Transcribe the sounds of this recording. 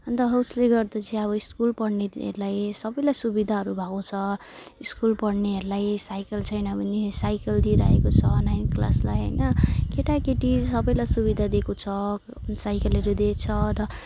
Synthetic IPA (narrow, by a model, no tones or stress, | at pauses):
ʌnt̪ʌɦʌusleɡʌrd̪ʌt͡sʰĩʌβʌiskulpʌɽneḛɾulajsʌbʌjlajsubid̪ʱaɦʌɾubʱʌkot͡sʰʌ | iskulpʌɽneɦʌɾulajsajkʌlt͡sʰʌjnʌbʱʌnesajkʌld̪iɾʌɦḛkot͡sʰʌnajnkla̰slajɦʌ̰jnʌkeʈakeʈisʌbʌjlajsubid̪ʱad̪ekot͡sʰʌ | sajkʌlʌɾud̪et͡sʰʌɾʌ